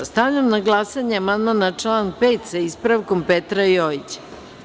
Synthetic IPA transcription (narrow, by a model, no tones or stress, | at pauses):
st̪avʎamnaɡlˠaːsaɲeamand̪manat͡ʂlˠaŋpeːt̪saispɾaʋko̞mpet̪ɾajoit͡ɕe̥